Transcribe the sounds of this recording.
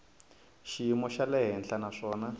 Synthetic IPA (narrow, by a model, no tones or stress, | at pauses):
ʃiimɔʃalɛɦɛnɬanaʂɔːna